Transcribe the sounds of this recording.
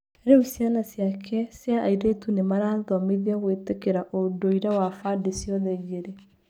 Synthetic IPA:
ɾeusjanasjakʰɛsjaːiɾetunemaɾaːðwameðiaɣweːtekɛɾaʔodoiɾawafadesjɔðɛɣeɾe

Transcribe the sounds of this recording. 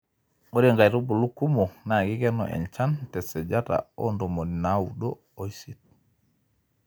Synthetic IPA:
ɔɾɛŋɡajɾubulukːumɔnaɡikɛnɔ̰ʔɛ̰nt͡ʃantɛsɛd͡ʒata̰ɔndɔmonnawuɗɔ | ojsit̚

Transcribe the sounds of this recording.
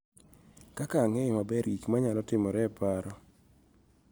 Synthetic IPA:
kakaŋɛmabɛɾikmaɲalɔtɪmɔɾɛpaɾɔ

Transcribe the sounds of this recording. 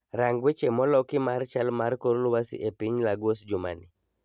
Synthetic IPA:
ɾaŋɡwet͡ʃemɔlɔkɪmart͡ʃalmarkoɾolʊwasḭʔepiɲlaɡwosd͡ʒʊma̰ni

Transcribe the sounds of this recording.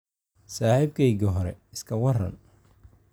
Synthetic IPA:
saːhɪbkʰɛjɡɐɦɔɾɛ̰ɪskʰɐwɐrɐ̰n

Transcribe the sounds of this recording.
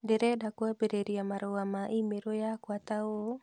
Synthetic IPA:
deɾedakwabeɾeɾiamaɾoamaʔimeɾojakwat̪ao

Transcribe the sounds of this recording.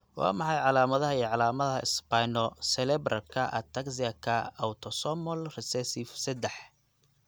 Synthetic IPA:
wɑ̰ːmɑħɑjʕɑlaːmɐðɐɦɐiːʕɑlaːmɐðɐɦɐɪ̰spajnɔsɛlɛbrʔɐlkʰɐʔɐ̰t̪ʰɐksiɐkʰɐɐwt̪ʰɔsɔmɔlrɛsɛsifsɛd̪ɛħ

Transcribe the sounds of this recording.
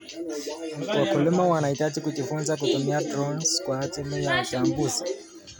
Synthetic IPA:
m̩twakulumawanaitad͡ʒikud͡ʒifunzak̬utumiadɾɔnskwatimujautambuzi

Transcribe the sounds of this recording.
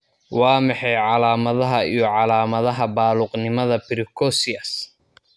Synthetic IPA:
wɑːmɑħɛjʕɑlaːmɐðɐɦɐijɞʕɑlaːmɐðɐɦɐbaːluːqnɪmɐðɐbɪɾɪkʰɔsɪɐs

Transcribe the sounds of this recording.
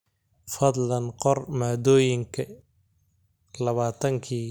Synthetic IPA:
fɐd̪lɐnqɔrmaːd̪ɔːjɪŋkʰɐ | lɐβaːt̪ʰɐŋkʰiː

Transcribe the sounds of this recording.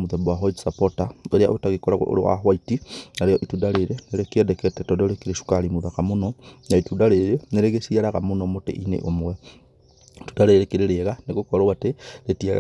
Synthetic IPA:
muðɛbwaɦwaiti̥sapɔtaeɾea̰ʔotaɣekɔɾa̰o̰ɾḛwa̰ɦwaitinaɾejɔʔitudaɾeɾeneɾekeɛdɛkɛtɛtɔdoɾekeɾeʃu̥kaɾimuðakamonɔnaitudaɾeɾeneɾeɣesiaɾaɣamonɔmotḛʔinḛʔomwɛ | tu̥daɾeɾekeɾeɾeɣaneɣokɔɾawateɾetiaɣ̰

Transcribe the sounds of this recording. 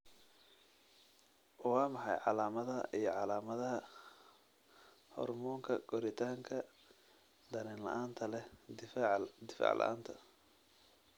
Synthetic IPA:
wɑːmɑħɑjʕɑlaːmɐðɐijɞʕɑlaːmɐðɐɦɐ | hɔ̰rmɔːŋkʰɐɡɔɾɪt̪ʰaːŋkʰɐ | d̪ɐnɪnlɐ̰ʔaːnt̪ʰɐlɛ | d̪ɪfa̰ːʕlɐ̰ʔa̰ːnt̪ʰɐ

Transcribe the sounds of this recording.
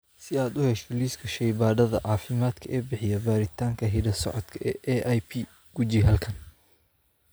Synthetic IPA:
sɪaːd̪ʊhɛʃt̪ɔliːskʰɐʃɛjbaːðɐðɐ̰ʕɑːfɪmaːd̪kʰɐʔɛːbɪħɪjɐbaːɾɪt̪ʰaːŋkʰɐɦɪdɐsɔ̰ʕɔd̪kʰɐʔɛːʔɛʔajpʰi | ɡ̥ud͡ʒiɦɐlkʰɐn

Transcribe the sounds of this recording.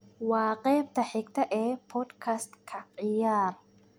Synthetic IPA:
waːqʼɛːb̚t̪ɐħɪɡt̪ɐʔɛːpʰɔd̪kʰast̪kʰɐqʼɪjaːɾ

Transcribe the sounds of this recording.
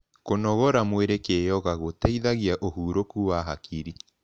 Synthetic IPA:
konɔɣɔɾamweɾekejɔɣaɣotɛiðaɣiaʔohuːɾokuwaɦakʰiɾi

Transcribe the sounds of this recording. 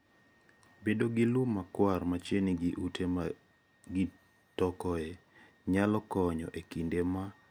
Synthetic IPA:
bedoɡɪlumːakwarmat͡ʃeniɡʔutʰe | ɡɪ | tɔkɔe | ɲalɔkɔɲɔ̰ʔekindema

